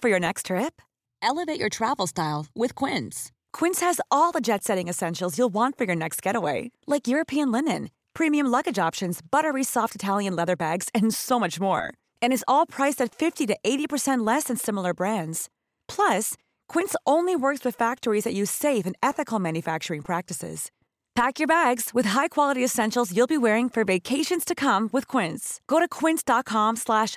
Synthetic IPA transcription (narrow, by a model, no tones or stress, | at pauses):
fə˞jə˞nɛkstʰɹ̥ɪp | ʔɛlˠəveɪt͡ʃə̰˞tʰɹ̥ævl̩ˠstaɪlˠwɪð̥kʰw̥ɪ̃ns | kʰw̥ɪ̃nshɨzɔlˠðəd͡ʒɛtsɛɾɪ̃ŋɨsɛ̃nʃl̩ˠzjulˠwɑ̃ntfə˞jə˞nɛkst̚ɡ̥ɛɾəweɪlaɪkjʊɹɨpʰiɨ̃nlɪ̃nɨ̰̃n | pʰɹ̥ĩmiɨ̃mlʌɡɨd͡ʒɑpʃɨ̃nzbʌɾə˞isɔftɨtʰælˠjɨ̃nlɛðə˞bæɡz̥ɨ̃nsoʊmʌt͡ʃmɔ̰ɹ | ɨ̃ñɨzɔlˠpʰɹ̥aɪsɨtfɪftiɾɨʔeɪɾipʰə˞sɛ̃nʔˡlɛsɨ̃nsɪ̃ml̩ˠə˞bɹæ̃ndz̥ | pʰl̥ʌs | kʰw̥ɪ̃ntsõʊ̃nliwɜ˞kswɨð̥fæk̚tə˞izðɨʔjʉz̥seɪfɨ̃nɛθɨkl̩ˠmæ̃njɨfæk̚t͡ʃə˞ɪ̃ŋpʰɹ̥æk̚tɨsɪ̰z̥ | pʰækjə˞bæɡz̥wɨð̥ɦaɪkʰw̥ɑlˠəɾiɨsɛ̃nʃl̩ˠzjʉlˠbiwɛɹɪ̃ŋfə˞veɪkʰeɪʃɨ̃nz̥tʰɨkʰʌ̃mwɨð̥kʰw̥ɪ̃ntsɡ̥oʊɾɨkʰw̥ɪ̃ntsd̥ɑt̚kʰɑ̃mslæʃ